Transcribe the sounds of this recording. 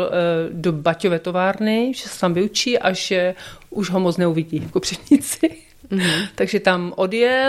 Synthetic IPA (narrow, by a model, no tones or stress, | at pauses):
dobacovɛːt̪o̞vaːɾnɪʒɛsɛ̥t̪amvɪut͡ʃiːʔaʒɛʔuʒɦomot͡snɛuvɪɟiːkopr̥ɛvɲɪt͡sɪ | t̪aɡʒɛt̪amʔo̞djɛ